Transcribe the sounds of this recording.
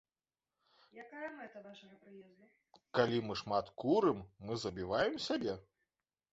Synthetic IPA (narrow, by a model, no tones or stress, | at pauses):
jakajɐmɛt̪ɐnaʂɐjɐpɾɨjɛzd̪ɐ | kalʲimɨʂmat̪kuɾɨmːɨzɐbʲivajɛmsʲabʲɛ